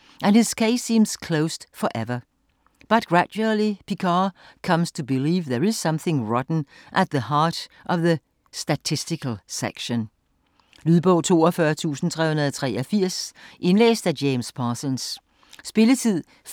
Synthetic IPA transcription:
ʔæ̃nɪz̥kʰeɪsĩːmz̥kʰl̥oʊsd̥fəʔɛvə˞ | b̥ʌt̚ɡ̥ɹædul̩ˠipʰikʰɑkʰʌ̃mstʰubɪliːvðəɹɪz̥sʌ̃mθɪ̃ŋɹɑtn̩ | ʔæt̪̚ðəhɑɹɾʔʌvðə | stætʰɪstɪkəl̩ˠsḛkʃə̃n | lyðˠboʊt͡sʰo̝̰ːəfɶːɐt͡sʰṵːsn̩tʰʁɛhunðˠət͡sʰʁɛːʌfiɐ̰sʔẽnleːsd̥æd͡ʒẽɪ̃mspʰɑsə̃ns | spɪlət͡sʰið̰ˠ

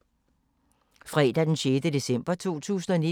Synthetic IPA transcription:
fʁɛːd̥æd̥enɕeːd̥əde̝sem̰b̥ɐt͡sʰo̝̰ːt͡sʰṵːsn̩ɒni

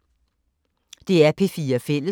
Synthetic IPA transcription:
d̥e̝æɐpʰe̝fiːɐfel̰ə

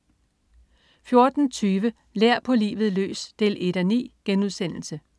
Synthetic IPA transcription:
fjo̝ɐd̥n̩t͡sʰyːʋə | leɐ̰pʰɒ̽lḭːʋð̞̩ˠlø̰ːsd̥e̝le̝ɾ̥ænḭːɡ̥enuðˠsen̰l̩sə

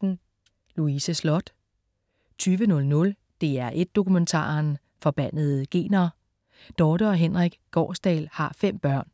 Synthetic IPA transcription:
n̩ | luisəslɔ̽d̥ | t͡sʰyːʋənɔ̽lnɔ̽l | d̥e̝æɐʔe̝d̥̚ːo̝kument͡sʰɑ̰̈ːɐn | fɒ̽b̥æn̰ð̩ˠɡ̥e̝̰ːnɐː | d̥ɒːd̥ɐɒ̽ɦenʁɛɡ̥ɡ̥ɒ̰ːsd̥ɛ̰ːlhɑ̈fem̰b̥ɶɐ̰n

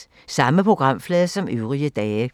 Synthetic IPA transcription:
sɑ̈məpʰʁoɡ̥ʁɑ̈m̰flɛːðˠsɒ̽mʔøʊʁiəd̥ɛːə

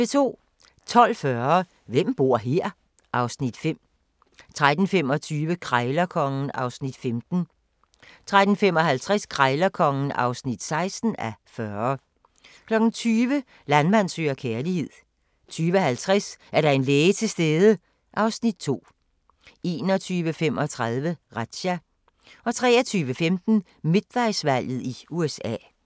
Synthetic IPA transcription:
et͡sʰo̝̰ː | t͡sʰɒ̽l̰fɶɐ | ʋem̰b̥o̝ɐ̰ɦeɐ̰ | ʔɑ̈ʊsnid̥fem̰ | t͡sʰʁad̥n̩fem̰ɒ̽t͡sʰyːʋəkʰʁaɪlɐkʰɒ̽ŋn̩ɑ̈ʊsnid̥femd̥n̩ | t͡sʰʁad̥n̩femɒ̽ɦælt͡sʰʁaskʰʁaɪlɐkʰɒ̽ŋn̩ɑ̈ʊsnid̥sɑ̈ɪsd̥n̩æfɶɐ | kʰlɒ̽ɡ̥n̩t͡sʰyːʋə | lænmæn̰sø̰ːɐkʰæɐlihe̝ð̞̰ˠ | t͡sʰyːʋəɒhælt͡sʰʁasæɐɾɑ̈e̝nleːɪət͡sʰe̝sd̥eːðˠə | ʔɑ̈ʊsnid̥̚t͡sʰo̝̰ː | ʔe̝̰ːnɒt͡sʰyːʋəfem̰ɒ̽t͡sʰʁɑðˠʋəʁad̥ɕæ | ɒ̽t͡sʰʁɛ̰ːɐt͡sʰyːʋəfemd̥n̩ | me̝d̥̚ʋɑɪsʋæl̰jð̩ˠiuesɛ̰ː

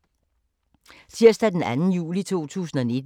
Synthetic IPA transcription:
siɐ̰sd̥æd̥enænn̩jṵːlit͡sʰo̝̰ːt͡sʰṵːsn̩ɒ̽ne̝d̥

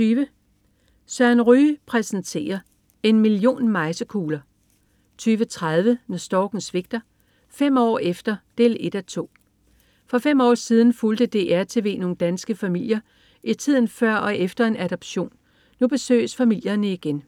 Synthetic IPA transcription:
yːʋə | sɶɐ̰nʁyːpʰʁɛsnt͡sʰe̝̰ːɐ | e̝nmilio̝̰ːnmɑ̈ɪsəkʰuːlɐ | t͡sʰyːʋət͡sʰʁað̞ˠʋənɒsd̥ɒɡ̥n̩sʋe̝ɡ̥̚d̥ɐ | fem̰ɒ̰ːefd̥ɐd̥e̝̰ːle̝d̥æt͡sʰo̝̰ː | fʁɒ̽femɒ̰ːsiːð̞ˠn̩fuld̥əd̥e̝̰ʔæɐt͡sʰe̝ʋe̝̰ːno̝ːn̩d̥ænsɡ̥əfæmil̰jɐ | ʔit͡sʰið̰ˠn̩fɶɐ̰ɒ̽ʔefd̥ɐe̝næɾ̥ɒ̽b̥ɕo̝̰ːnː | ub̥e̝sø̰ːɪsfæmil̰jɐnəiɡ̥en

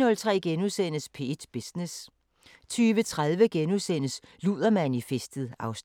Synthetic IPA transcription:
nɔ̽lt͡sʰʁɛ̰ːɡ̥enusen̰əspʰe̝̰d̥b̥esnes | t͡sʰyːʋət͡sʰʁaðˠʋəɡ̥enusen̰əsluðˠɐmænifesd̥ð̩ˠɑ̈ʊs

